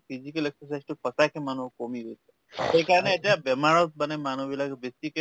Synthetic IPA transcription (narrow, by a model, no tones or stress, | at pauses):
pʰizikəleksəs̬ajzʈupɔsakʰemanukomiɦojt͡ʃʰe | ekaɹɔneːʈijabɛmaɹɔt̪̚bənemanubilakbek̚t̪ike